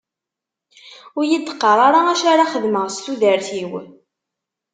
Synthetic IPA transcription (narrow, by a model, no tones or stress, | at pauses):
ʊɾjid̪ːə̥qːəɾˤaɾaæʃaɾaχəðməʁst̪uðəɾθiw